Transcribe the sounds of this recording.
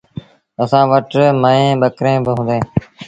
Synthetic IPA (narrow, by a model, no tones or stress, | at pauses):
əsãːʋəʈməẽːɓəkɾẽːbɪɦũːnd̪ẽː